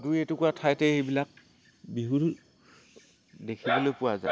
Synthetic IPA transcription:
dujetʊkʊatʰajtɛejbilak̚ | biɦuɹ | dekʰibɔlojpʊwaza̰

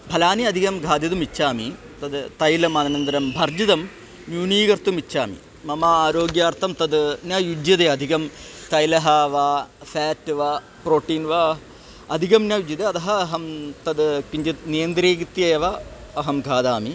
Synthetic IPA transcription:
bʱɐlaːniɐd̪ʱikɐmɡʱaːd̪jɐd̪umit͡ɕːaːmi | t̪ɐd̪ɨt̪ɐjlɐmɐnɐnɐnd̪ɐɾɐmbʱɐrd͡ʒid̪ɐm | njuːniːɡɐɾt̪umit͡ʃːaːmḭ | mɐmaaːɾoːɡjaːrt̪ʰɐmt̪ɐd̪njajud͡ʒjɐd̪eɐd̪ʱikɐmt̪ɐjlɐɦɐʋafaːʈːɨʋa | pɾoːʈːiːnʋa | ɐd̪ʱikɐmnjajud͡ʒjɐd̪eɐd̪ɐɦɐːɦɐmt̪ɐd̪kiɲd͡ʒɐt̪nijɐnd̪ɾeːɡit̪jɐjɐʋɐːɦɐmɡʱaːd̪aːmi

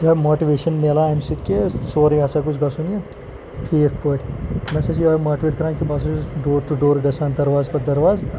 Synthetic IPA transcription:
jɐmoːʈiʋeːʃɐnmeːlamsit̪̚kesoːɾiɐsɐkʊt͡ʃʰɡɐsune | pʰiekʰpoːʈmɛːsed͡ʒjuɐːmaːʈiʋeːʈ̚kɐɾãːkibaːs̬ɐɖoːɾʈ̪uɖoːɾɡɐsaːnd̪ɐɾʋaːzpɐɾd̪ɐɾʋaːz

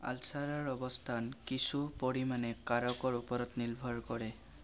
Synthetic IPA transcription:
a̰lsaɹɔɹɔbɔstʰankisupoɹimanɛkaɹɔkɔɹupɔɹɔtnilbʱɔɹkɔɹɛ

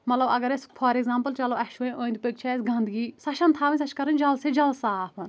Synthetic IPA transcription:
mɐt̪lɐbɐ̰ɡɐɾespʰɐɾeɡzãːmpəlt͡ʃɐloʔɛʃʋõõːnd̪pəɡ̚t͡ʃʰɛesɡɐ̃nd̪ɡiːsɐʃʰɐnt̪ʰaːʋĩnʲs̬ɐt͡ʃʰkɐɾɐnd͡ʒɐlsed͡ʒɐlsaːpʰɐn

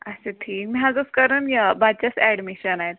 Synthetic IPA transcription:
əseʈʰiːk̚miɦad͡zoskəɾəːnjabat͡ɕasɛɽmiɕənaɦet̪̚

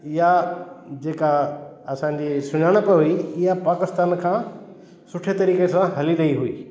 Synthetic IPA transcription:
ɪjad͡ʑeːkaɐsãɲ̆d͡ʑiːsʊɲaːɽ̃əpɐɦʊiɪɦapaːkɪst̪aːnkʰãː | sʊʈʰet̪ɐɾiːkesãɦɐliɾɐɦiɦuḭː

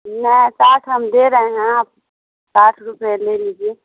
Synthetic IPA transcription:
nɛsaːʈʰɦəmd̪eɾəɦẽɡãp̚ | saːʈʰɾupelelid͡ʒie

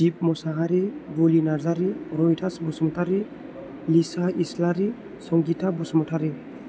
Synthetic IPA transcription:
d͡ʒip̚mɔsaɡaɾibolinaɾzaɾiɾɔjtʰasbɔsmɔtʰaɾi | lisaislaɾi | sɔŋɡitʰabɔsmɔtʰaɾi

